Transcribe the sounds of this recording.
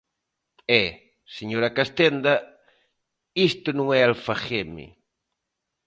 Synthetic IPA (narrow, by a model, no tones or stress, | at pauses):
ɛ | seɲoɾakast̪end̪ɐ | ist̪ʊnõŋɛalfaxemɪ̰